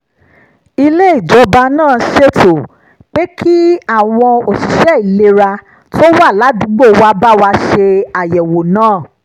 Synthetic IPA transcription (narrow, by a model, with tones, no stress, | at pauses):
i˧le˦i˦˨d͡ʒɔ˨˦ba˧nãː˦˨ʃe˦to˨ | k͡pe˦kʰi˦a˦˨w̃ɔ̃˧o˨ʃi˨ʃɛ˦i˨le˦ɾa˧ | to˦wa˦˨la˨˦dũ˨˦ɡ͡bo˦˨wa˧˦ba˦˨wa˧ʃe˧a˨jɛ˨wo˨nãː˦˨